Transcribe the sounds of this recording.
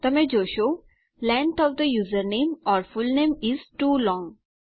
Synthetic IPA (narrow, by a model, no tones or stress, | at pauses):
t̪ɐmed͡ʒoːʃoː | lɛ̃ɳʈɔʋd̪əjuːzəɾnẽːmɔːɾfʊlnẽːmɪzʈuːlɔ̃ːŋ